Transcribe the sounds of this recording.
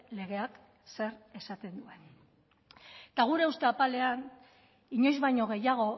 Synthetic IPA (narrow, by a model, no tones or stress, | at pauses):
le̞ɣ̞e̞ak | se̞ɾe̞sat̪e̞nd̪ue̞n | t̪aɣ̞uɾe̞ust̪eapale̞an | iɲo̞jzβajɲo̞ɣ̞e̞jaɣ̞o̞